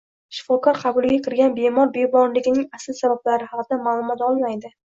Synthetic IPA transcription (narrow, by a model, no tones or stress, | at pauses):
ʃɪ̥fɒkʰɒɾqʰɑbʊlˠɡʲakʲʰɪɾɡʲanbe̞mɒɾbebɒɾlɪɡʲɪnɪŋasɪlsabablaɾɪhɑqd̪amaːlˠʊmɒt̪ɒlˠmajd̪ɪ